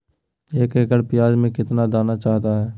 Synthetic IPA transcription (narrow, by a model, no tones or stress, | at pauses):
eːkeːkəɽpɪjaːd͡ʒmẽkɪt̪nad̪aːnat͡ʃaːɦt̪aɦɛː